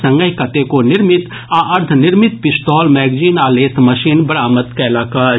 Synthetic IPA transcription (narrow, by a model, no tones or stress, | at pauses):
sɐ̃ŋɡəikɐt̪ekonɪɾmɪt̪ | aʔɐɾd̪ʱʰnɪɾmɪt̪̚pɪsʈ̪ɔːlmɛːɡd͡ʒiːnaːleːt̪ʰmɐʃiːnbɐɾaːmət̪kɛːlaːkaː